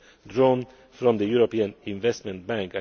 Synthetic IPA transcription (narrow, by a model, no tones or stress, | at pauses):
d̪ɾoːn | fɾɔ̃md̪əjʉɾɔpiːənɪnvɛst̪mɛ̃nt̪̚bæ̃ŋka